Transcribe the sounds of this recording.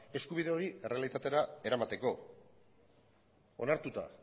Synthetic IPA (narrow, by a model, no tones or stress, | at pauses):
e̞skuβ̞iðe̞o̞ɾiere̞alit̪at̪e̞ɾae̞ɾamat̪e̞ko̞ | o̞̰naɾt̪ut̪a̰